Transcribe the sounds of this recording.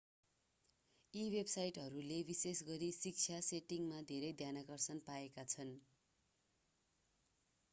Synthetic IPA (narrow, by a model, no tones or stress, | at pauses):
iwebsajʈɦʌɾulebisesɡʌɾisik̚t͡sʰjaseʈiŋmad̪ʱeɾʌjd̪ʱjanakʌrsʌnpaekat͡sʰʌn